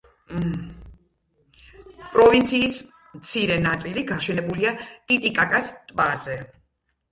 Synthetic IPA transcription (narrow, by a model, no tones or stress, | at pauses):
pʼɾɔvint̪sʰiːs | mt̪sʰiɾɛnat̪sʼiliɡaʃɛnɛbuliat̪ʼit̪ʼikʼakʼast̪ʼbazɛ